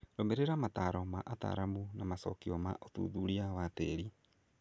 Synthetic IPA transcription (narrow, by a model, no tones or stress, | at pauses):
ɾomeɾeɾamataɾɔmaʔata̰ːɾamunamasɔ̰kiɔmaʔotṵːðuɾiawateɾi